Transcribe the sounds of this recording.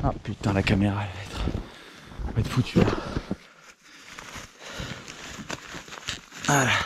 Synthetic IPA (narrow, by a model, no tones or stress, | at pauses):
apyt̪̚ɑ̃lakameʁalɛlɛt̪χ | vaɛt̪fut̪ʰyla | ala